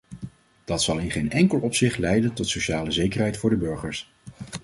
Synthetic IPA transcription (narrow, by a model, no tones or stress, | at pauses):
d̥ɑtsɑlˠɪnχejnɛŋkəlˠɔpsɪχtlɛjdəntɔtsowʃaːləzejkərɦɛjtfʊːɹdəbøɹχəɹs